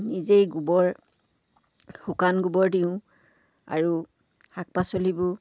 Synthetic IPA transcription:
nizejɡubɔɹ | xukanɡubɔɹdiʊ̃ | a̰ɹu | hak̚pasolibʊ

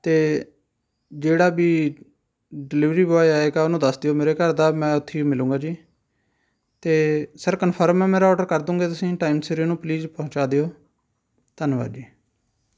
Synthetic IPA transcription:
t̪eː | d͡ʒeːɽaːbiː | ɖɪlɪʋɾiːʋɪʋaːiaːeːɡaːʊnũːd̪əsd̪ejoːmeːɾeːkəɾd̪aːmɛ̃ːʊt̪ʰːeːmɪlũːɡaːd͡ʒiː | t̪eːsəɾkənpʰəɾmɛ̃ːmeːɾaːɔːɖəɾkəɾd̪ũːŋɡeːt̪ʊsĩːʈaːiːmseɾiːnũːpliːzpɔʊ̃t͡ʃaːd̪eːoː | t̪ənʋa̰ːɾd͡ʒiː

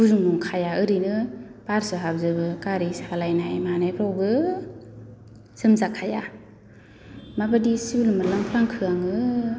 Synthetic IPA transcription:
buɾumuŋkʰajaɯɾinɯpaɾsɯɦab̚zɯbɯkaɾisalajnajmanajpʰɾɔwbɯ | z̥ɯmzakʰaja | mabadisulɯmalaŋpʰɾaŋkʰɯaŋɯ

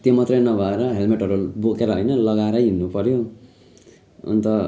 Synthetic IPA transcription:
t̪jomʌt̪rʌjnʌbʱʌeɾʌɦelmeʈʌɾubokeɾʌɦʌjnʌlʌɡaeɾʌjɦinːupʌɾjo | ṵnt̪ʌ

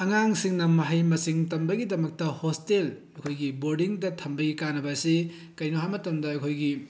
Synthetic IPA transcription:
ɐŋaŋsiŋnɐmɐɦɐjmɐsiŋtɐmbɐɡidɐmɐk̚tɐhostel | ɐkʰojɡiboɾdiŋdɐtʰɐmbɐɡikanɐbasi | kɐjnoɦamɐtɐmdɐɐkʰojɡi

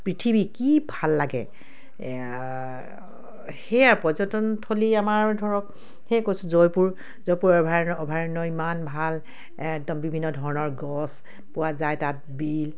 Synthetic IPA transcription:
pɹitʰibikibʱalːaɡɛ̰ | xejaɹpɔzɔtɔntʰoliamaɹdʱɔɹɔk̚ | hekojsʊzɔjpuɹ | zɔjpuɹɔbʱaɔbʱaɹnɔimanbʱal | ɛk̚dɔmbibʱinːɔdʱɔɹɔnɔɹɡɔs | pʊwazajtat̚bil

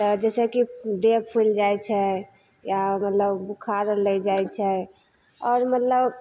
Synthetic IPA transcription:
t̪əd͡ʒɛsekid̪epʰuld͡ʒajt͡ʃʰɛ | jamət̪ləbbukʰaɾəlɛd͡ʒajt͡ʃʰɛ | ɔːɾmət̪ləb

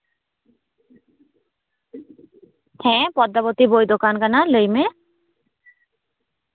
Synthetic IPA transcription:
hɛ̃ːpɔd̪ːabot̪ibojd̪okankanalejme

